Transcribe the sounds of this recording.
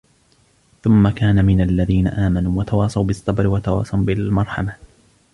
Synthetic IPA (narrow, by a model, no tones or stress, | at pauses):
θʊmːakaːnamɪnalːaðiːna̰ʔaːmanuːwat̪ɑwɑːsˤɑwbɪsˤːɑbɾɪwat̪ɑwɑ̰ːsˤɑwbɪlmɑɾˤħɑma